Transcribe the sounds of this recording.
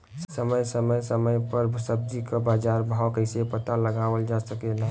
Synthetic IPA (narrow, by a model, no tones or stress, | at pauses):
ssəməjsəməjsəməjpəɾbʱsəb̚d̪ikabaːd͡ʒaɾbʱawkəɪsepət̪aləɡawəld͡ʒasəkela